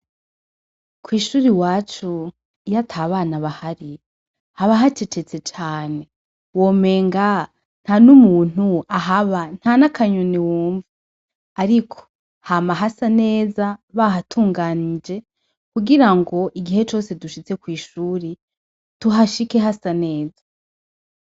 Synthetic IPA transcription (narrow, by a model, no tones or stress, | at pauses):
kwiːʃuːɾiwaːt͡ʃu | jatʰaβaːnaβahaɾi | haβaɦat͡ʃe̞t͡ʃet͡se̞t͡ʃaːne̞ | wo̞me̞ːŋɡa | n̥hanumuːn̥uaɦaβan̥hanakʰaɲuniwuːɱvu | aɾikʰo̥ | hamaɦasane̞ːzaβaɦatʰuːŋɡaːnid͡ʒe̞ | kuɡiɾaŋɡo̞ʔiɡihe̞t͡ʃo̞ːse̞duʃit͡se̞kwiːʃuːɾi | tuɦaʃike̞ɦasane̞ːza